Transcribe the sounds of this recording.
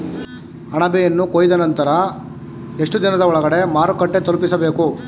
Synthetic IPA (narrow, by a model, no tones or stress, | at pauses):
ɐɳɐbɛjɐnːukoːjid̪ɐnɐnt̪ɐɾɐ | e̞ʂʈud̪inɐd̪ɐɔɭɐɡɐɽe̞maːɾukɐʈːet̪olupisɐbe̞ːku